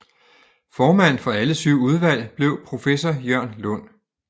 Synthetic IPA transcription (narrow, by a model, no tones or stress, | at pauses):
fɒːmæn̰̩fɒ̽æləsyʊ̰uð̞ˠʋæl̰b̥le̝ʊ̰pʰʁo̝fesɒjɶɐ̰nlɔn̰